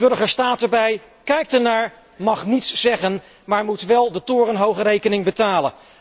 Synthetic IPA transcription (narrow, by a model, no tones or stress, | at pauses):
b̥ɵɹχəɹstaːtəɹbɛj | kɛjk̚təɹnaːɹ | mɑχnitsːɛχən | maːɹmutʋɛlˠdətʊːrənɦowχəɾejkənɪŋbətaːlə̰n